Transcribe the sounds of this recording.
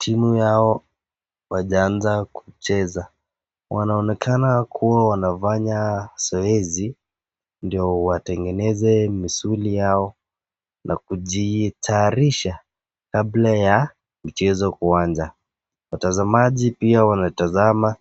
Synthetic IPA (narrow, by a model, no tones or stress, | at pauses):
tʰimujaɔ | waʄaanzaku̥t͡ʃɛza | wʔanaɔnɛkʰanakʰuwawanavaɲasɔɛzi | ndiɔwatɛŋɡɛnɛzɛmisulijaɔ | nʔakuʄitʰaɾiʃa | kablaja | m̩t͡ʃɛzɔkuwand͡ʒa | watazamaʄipiawanatazama